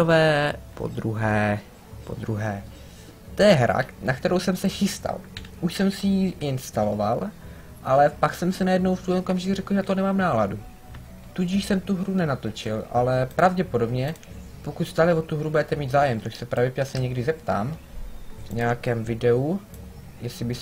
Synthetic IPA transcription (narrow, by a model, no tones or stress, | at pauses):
vɛːpo̰d̪ɾuɦɛː | po̞̰d̪ɾuɦɛː | t̪ojɛɦɾa̰nakt̪ɛɾo̞wsɛmsɛxɪst̪a̰lʔuʃsɛmsɪjiʔɪnst̪alo̞val | ʔalɛpaksɛmsɪnajɛdnowft̪uːlɛokamʒɪkurɛkl̩ʒɛat̪onɛmaːmnaːladu | t̪uɟɪʃsɛmt̪uɦɾunɛnat̪o̞t͡ʃɪlʔa̰lɛpɾavɟɛpo̞do̞bɲɛ | po̞kut̪st̪aːlɛvot̪uɦɾubɛt̪ɛmiːd̪zaːjɛmt̪oʃsɛpɾʔavɛpasɛɲɛɡdɪzɛpt̪a̰ːm | vɲɛjakɛːmvɪdɛu | jɛsɪbɪs